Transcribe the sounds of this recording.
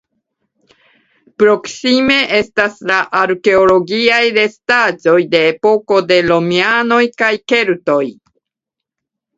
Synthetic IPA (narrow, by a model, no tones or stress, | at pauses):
pɾo̞ksime̞ʔe̞staslaʔaɾke̞o̞lo̞ɡiajɾe̞stad͡ʒo̞jde̞ːpo̞ko̞de̞lo̞miano̞jkajke̞ɾto̞j